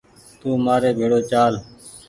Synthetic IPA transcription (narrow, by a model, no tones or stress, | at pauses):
t̪uːmaːɾeːbʱeːɽoːt͡ʃaːl